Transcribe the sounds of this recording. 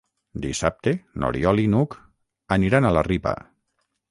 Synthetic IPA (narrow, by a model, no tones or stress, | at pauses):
d̪isap̚t̪eno̰ɾiɔlinuk | əniɾanalaripə̰